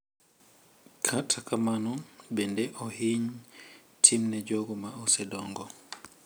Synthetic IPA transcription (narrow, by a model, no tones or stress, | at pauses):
kʰatʰakamanɔbɛndɛʔɔhiɲ | tʰimnɛd͡ʒɔɡɔmaɔsɛdɔŋɡɔ